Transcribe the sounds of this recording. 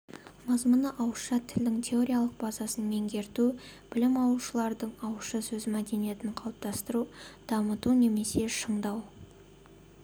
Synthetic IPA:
mɑzmənəʔɑwʃɑt̪ʰɪld̪ɪŋt̪ʲʰe̞o̞ɾʲijalˠəq̚bɑzɑsənme̞ŋɡʲe̞ɾt̪ub̥ɪlɪmɑwlˠuʃəlˠɑɾd̪əɴɑwʃɑsɵzɪmæd̪e̞nije̞t̪ɪɴqʰɑw̪ˠəp̚t̪ɑst̪əɾud̪̥ɑmət̪une̞me̞se̞ʃəɴd̪ɑw

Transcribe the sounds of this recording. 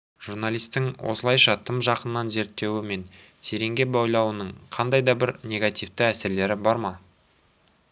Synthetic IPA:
ʒ̥uɾnalˠijst̪ɪŋwʔo̞̰səlˠɑjʃɑt̪ʰəmʒɑqənːɑnze̞ɾt̪ːe̞wɪme̞n | sʰeɾe̞ŋɡʲe̞bojlˠɑwənəɴqʰɑnd̪ɑjd̪ɑbɪɾnʲe̞ɡat̪ijft̪ɪæsɪɾle̞ɾɪbɑɾmɑ

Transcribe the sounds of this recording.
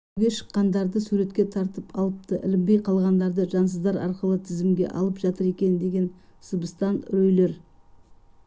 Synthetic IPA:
ɡʲe̞ʃə̥qːɑnd̪ɑɾd̪əsuɾe̞t̪kʲe̞t̪ʰɑɾt̪əpʰɑlˠəp̚t̪əʔɪ̰lɪmbejqʰɑlˠʁɑnd̪ɑɾd̪əʒɑnsəzd̪ɑɾɑ̰ɾqəlˠət̪ʰɪzɪmɡʲe̞̰ʔɑ̰lˠəpʒ̥ɑt̪əɾe̞kʲe̞nd̪e̞ɡʲe̞nsəbəst̪ɑnɾɵjle̞ɾ

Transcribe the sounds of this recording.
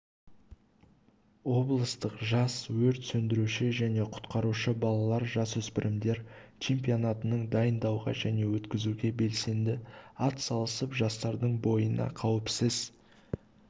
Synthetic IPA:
wo̞blˠəst̪əqʒɑswɵɾt̪sɵnd̪ɪɾuʃɪʒæne̞qʰʊ̥t̪qɑɾuʃəbɑlˠɑlˠɑɾʒɑsɵspɪɾʔɪmd̪e̞ɾ | t͡ʃʰe̞mpionat̪ənəɴd̪ɑjənd̪ɑwʁɑ̰ʒæne̞wɵt̪kʲɪzuɡʲe̞be̞lse̞nd̪ɪɑt̪sɑlˠəsəpʒɑst̪ɑɾd̪əɴbo̞jənɑ̰qʰɑwɪpsəz̥

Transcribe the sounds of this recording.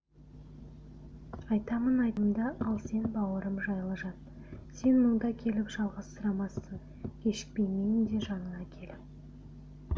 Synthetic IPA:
ɑjt̪ɑmənɑjt̪əmd̪ɑʔɑlˠse̞nbɑwəɾəmʒɑjlˠəʒɑt̪ | se̞nməɴd̪ɑkʲʰe̞lɪpʒ̥ɑlˠʁɑst̪əɾɑmɑsːəɴ | kʲʰe̞ʃɪ̥k̚pe̞jmejɪmd̪e̞ʒɑnənɑkʲʰe̞lɪp

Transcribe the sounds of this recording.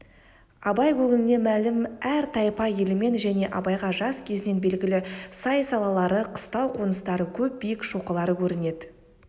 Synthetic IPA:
ɑbɑjkʲʰɵɡɪmɪne̞mælɪmæɾt̪ʰɑjpɑjelɪme̞nʒæne̞ʔɑbɑjʁɑʒɑskʲʰe̞zɪne̞nbe̞lɡʲɪlɪsɑjsɑlˠɑlˠɑɾəqʰə̥st̪ɑwqʰonəst̪ɑɾəkʲʰɵp̚bijɪkʃoqəlˠɑɾəkʲʰɵɾɪne̞d̪ɪ

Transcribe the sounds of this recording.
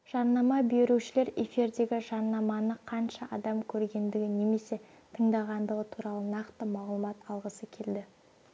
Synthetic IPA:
ʒ̥ɑnːɑmɑbeɾuwʃɪle̞ɾe̞fiɾd̪e̞ɡʲɪʒɑnːɑmɑnəqʰɑnʃɑʔɑ̰d̪ɑmkʲʰɵɾɡʲe̞nd̪ɪɡʲɪne̞me̞se̞ | t̪ʰəɴd̪ɑʁɑnd̪əʁət̪ʰuɾɑlˠənɑqt̪əmɑʁlˠəmɑt̪ɑlˠʁəsəkʲʰe̞ld̪ɪ

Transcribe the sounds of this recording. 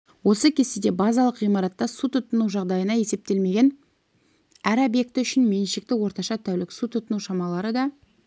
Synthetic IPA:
wo̞səkʲʰe̞st̪ed̪e̞bɑzɑlˠəqijmɑɾɑt̪ːɑsut̪ʰʊt̪ːənuwʒɑʁd̪ɑjənɑje̞se̞p̚t̪e̞lme̞ɡʲen | æɾobje̞k̚t̪ɪʏʃɪnme̞nʃɪk̚t̪ɪwo̞ɾt̪ɑʃɑt̪ʰæwlɪksut̪ʰːʊt̪ənuwʃɑmɑlˠɑɾəd̪ɑ

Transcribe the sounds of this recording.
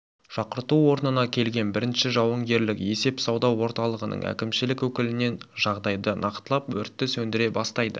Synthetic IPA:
ʒ̥ɑqəɾt̪uwo̞ɾnənɑkʲʰe̞lɡʲe̞nbɪɾɪnʃɪʒɑwəɴɡʲe̞ɾlɪkje̞se̞psɑwd̪ɑwːo̞ɾt̪ɑlˠəʁənə̰ɴæ̰kʲɪmʃɪlɪkwɵkʲɪlɪne̞nʒɑʁd̪ɑjd̪ənʔɑqt̪əlˠɑpwɵɾt̪ːɪsɵnd̪ɪɾe̞bɑst̪ɑjd̪ə

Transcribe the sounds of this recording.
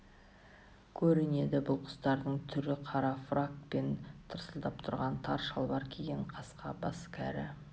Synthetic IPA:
kʲʰɵɾɪne̞d̪ɪbʊlˠqʰʊ̥st̪ɑɾd̪əɴt̪ʰʏɾɪqʰɑɾɑfrakpe̞nt̪ʰəɾsəlˠd̪ɑpt̪ʰʊɾʁɑnt̪ʰɑɾʃɑlˠbɑɾkʲʰe̞ɡʲeɴqʰɑsqɑbɑskʲʰæ̰ɾɪ̰

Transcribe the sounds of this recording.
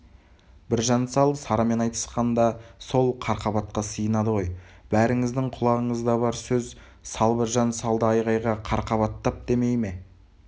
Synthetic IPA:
bɪɾʒɑnsɑlˠsɑɾɑme̞nɑjt̪ə̥sqɑnd̪ɑso̞lˠqʰɑɾqɑβɑt̪̚qɑsəjənɑd̪əʁo̞j | b̥æɾɪŋɪzd̪ɪɴqʰʊlˠɑʁəɴəzd̪ɑβɑɾsɵz | sɑlˠbɪɾʒɑnsɑlˠd̪əɑjʁɑjʁɑqʰɑɾqɑβɑt̪ːɑp̚d̪e̞me̞jme̞

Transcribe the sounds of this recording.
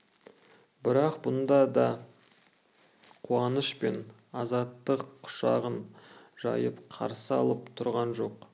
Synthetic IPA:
bɪɾɑqbʊnd̪ɑd̪ɑ | qʰuɑnəʃpe̞n | ɑzɑt̪ːəqːʰʊ̥ʃɑʁənʒ̥ɑ̰jəpqʰɑ̰ɾsəɑ̰lˠəpt̪ʰʊɾʁɑnʒo̞q

